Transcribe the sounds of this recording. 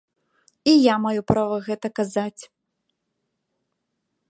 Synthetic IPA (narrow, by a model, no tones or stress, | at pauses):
ijamajupɾavɐɣɛt̪ɐkazat͡sʲ